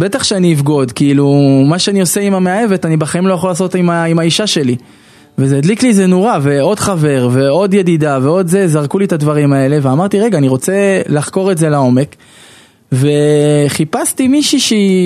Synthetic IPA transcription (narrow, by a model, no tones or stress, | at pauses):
bet̪aχʃeaniːfɡo̞d̪kiilumaʃeanio̞se̞imameaje̞ve̞t̪anibaχaimlo̞jaχolaːs̬o̞t̪imaimaiʃaʃe̞li | vezeːd̪liklizenoʁave̞o̞d̪χave̞ʁve̞o̞d̪jed̪id̪ave̞o̞d̪zezaʁkulit̪ad̪vaʁimae̞le̞veamaʁt̪iʁe̞ɡaːniʁo̞t͡se̞laχko̞ʁe̞tzelao̞me̞k | ve̞χipast̪imiʃiʃe